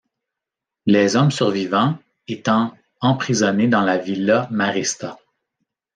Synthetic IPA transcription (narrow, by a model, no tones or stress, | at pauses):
lɛzɔmsyʁvivɑ̃ | et̪ɑ̃ | ɑ̃pχizɔned̪ɑ̃lavilːamaʁist̪a